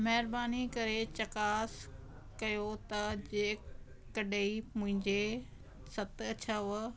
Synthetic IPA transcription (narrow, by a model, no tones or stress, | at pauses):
mɐɦɪɾbaːnikɐɾet͡ɕɐkaːs | kɐjot̪ɐd͡ʑeː | kɐɗeimʊ̃ɦɪ̃ɲd͡ʑe | sɐt̪ɐt͡ɕʰaʋə